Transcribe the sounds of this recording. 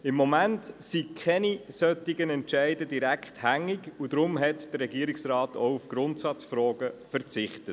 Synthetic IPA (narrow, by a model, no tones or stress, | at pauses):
ɪmːɔmæntsikʰɛnisœtːɪɡənɛntʃæɪdədiɾækχthæŋːɪɡud̥̪ɾʊmɦɛtd̥ərɾɛɡiːəɾɪksrɑːtɔ̰ʊufɡ̥ɾʊntsɑt͡sfɾɔːɡ̥əfəɾt͡sɪχtət